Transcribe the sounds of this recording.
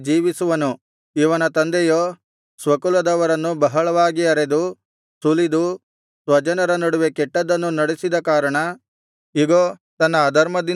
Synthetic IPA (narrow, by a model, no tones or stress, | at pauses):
d͡ʒiːʋisuʋɐnu | iʋɐnɐt̪ɐnd̪ejoː | sʋɐkulɐd̪ɐʋɐɾɐnːubɐɦɐɭɐʋaːɡiɐɾed̪u | sulid̪u | sʋɐd͡ʒɐnɐɾɐnɐɽuʋekɛʈːɐd̪ɐnːunɐɽesid̪ɐkaːɾɐɳɐ | iɡot̪ɐnːɐːd̪ʱɐɾmɐd̪i